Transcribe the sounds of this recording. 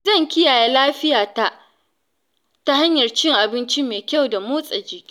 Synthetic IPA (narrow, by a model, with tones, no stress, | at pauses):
zɐ˦˨ŋkʲɪ˦jaː˨jeː˦laː˦ɸɪ˦jaː˨ta˦ʔ | ta˦ha˦ɲjɐ˨rt͡ʃɪ˦ŋʔa˨bɪ˦nt͡ʃi˦meː˨kʲa˦˨wda˨moː˦sʼɐ˨d͡ʒiː˦ʔʲ